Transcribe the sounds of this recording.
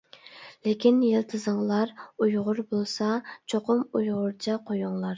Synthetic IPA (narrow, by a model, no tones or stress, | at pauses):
lekʲʰinjɪlˠt̪ʰɨzəŋlˠɑɾujʁʊɾbolˠsɑt͡ʃʰoqʰʊmujʁʊɾt͡ʃʰɛqʰojuŋlˠɑɾ